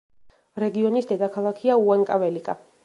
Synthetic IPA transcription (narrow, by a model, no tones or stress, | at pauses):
ɾɛɡiɔnisd̪ɛd̪akʰalˠakʰiauaŋkʼavɛlikʼa